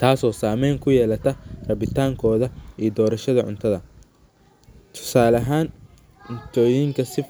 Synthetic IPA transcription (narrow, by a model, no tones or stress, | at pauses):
t̪ʰaːsɔːsaːmɛjŋkʰʊjɛːlɐt̪ʰɐrɐβɪt̪ʰaːŋkʰɔːðɐiːd̪ɔːɾɐʃɐðɐʕʊ̰nt̪ʰɐðɐ | t̪ʰʊ̥saːlɐɦaːn | ʊnt̪ʰɔːjiŋkʰɐsɪ